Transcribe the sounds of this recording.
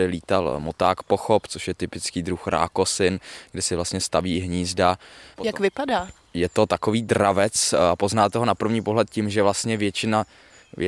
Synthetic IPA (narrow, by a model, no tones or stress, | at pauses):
ɪliːt̪almot̪aːkpoxopt͡soʃjɛt̪ɪpɪt͡skiːd̪ɾuxɾa̰ːkosɪnɡdɪsɪvlast̪ɲɛst̪aviːɦɲiːzdapojakvɪpadaː | jɛt̪o̞t̪akoviːd̪ɾavɛt͡sapo̞znaːt̪oɦonapr̩vɲiːpoɦlɛt̪̚cɪmʒɛvlast̪ɲɛvjɛt͡ʃɪna | ɛ